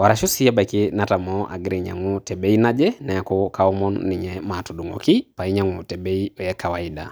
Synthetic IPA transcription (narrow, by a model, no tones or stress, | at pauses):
waɾaʃusiabakinatamɔʔa̰ɡɾɛɲa̰ŋutɛɓɛinad͡ʒɛnaakɔkaɔmɔnːiɲɛmatuɗuŋɡɔ̰kipaiɲaŋutɛbɛiɔjɛkawaiɗa̰